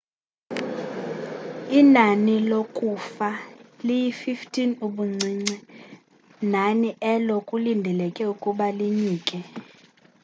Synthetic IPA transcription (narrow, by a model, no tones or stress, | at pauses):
inanilokʼufalijififtʰʼinuɓuŋ͡ǀʱiːŋ͡ǀi | naniʔɛlɔkʼulindʱɛlɛkʼɛukʼuɓaliɲiːkʼɛ